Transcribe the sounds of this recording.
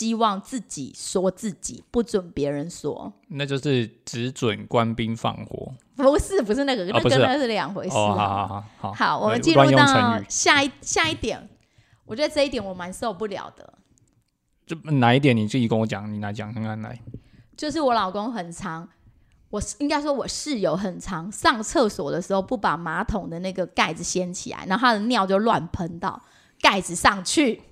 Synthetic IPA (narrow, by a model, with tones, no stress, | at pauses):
ɕi˦˥wɑ˥˨˩ŋt͡sɹ̩˥˩t͡ɕḭ˨˩swɔ˥t͡sɹ̩˥˩t͡ɕḭ˨˩pu˥˩t͡swə˨˩npjɛ˧˥ɻə˧˦nswɔ̰˥na˥˧t͡ɕjo˥˧ʊʂɻ̩˥˨ʈ͡ʂɻ̩˧˦t͡swə˨˩nkwa˦npi˦nfɑ̰˥˩ŋxwɔ̰˧˦ | pu˧˥ʂ̩˥˩p̬u˧˥ʂ̬ɻ̩˥˧na˥˩ɡə˨˩˧pu˩kə˥ʂ̩˥˨ə˥˧ʂɻ̩˥˩ljɑ˨˩ŋxwe˧˥ɪɔ˧˨a˨˦˨hɑ˨˦hɑ˨˦ʊwɔ˨mə˨˦t͡ɕi˥˧nwa˥nu˧jo˥t̪ʰə˧˦˨ɕja˥˧i˥˩ɕja˥˧i˥˩t̪jɛ̰˨˩˦n | wɔ˨t͡ɕɥɛ˧˥d̪ə˧t͡sɤ˥˧i˥˩t̪̬jɛ˨˩nwɔ˨˩˦ma˧˥ns̩˧˥o˨˩pu˥˩ljɑ̰˨˩ʊd̪̥ə̰˦ | o˥˩˨na˨˦i˥t̪̬jɛ˨˩˦ni˨˩t͡si˥˩i˧˥kə˥˦ŋwɔ˧˦t͡ɕjɑ̰˨˩ŋni˨˩na˨˧˥t͡ɕjɑ˨˩ŋnə˧ŋa˧˥na̰˨˦ | t͡ɕjo˥˧ʊʂ̬ɻ̩˥˩wɔ˧˦˥lɑ˨˩ʊko˦˥ŋxə˨˩nt͡sʰɑ˧˥ŋ | wɔ˨˩i˥ŋka˥ɪʂ̬wɔ˥wɔ˨˩ʂɻ̩˥˩jo˧˥ʊxə˨˩nt͡sʰɑ˧˥ŋsɑ˥˧ŋt͡sʰɤ˥˩swɔ˨˩d̪ə˦ʂɻ̩˧˥xo˥˧ʊpu˥˩pa˨˩ma˧˥t̪ʰʊ˨˩ŋd̪ə˦na˥˩ɡə˩ka˥˩ɪd͡zɹ̩˨˩ɕjɛ˥nt͡ɕʰḭ˨la̰˧˦ɪna˥˧˥a˥d̪ə˨njɑ˥˧ʊt͡ɕjo˥˧ʊlwa̰˥˩npʰə˧˥nt̪ɑ̰˥˩ʊ | ka˥˩ɪd͡zɹ̩˨˩sɑ˥˩ŋt͡ɕʰy˥˩